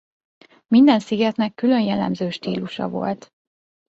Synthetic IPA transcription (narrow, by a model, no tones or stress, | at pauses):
mind̪ɛnsiɡɛt̪nɛkːylø̞njɛlɛ̰mzøːʃt̪iːluʃɒ̰vo̞̰lt̪